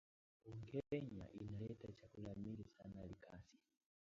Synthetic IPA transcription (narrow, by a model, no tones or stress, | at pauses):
uŋɡɛɾɛɲa̰ʔinalɛtat͡ʃakulamilisanalikʰa̰si̥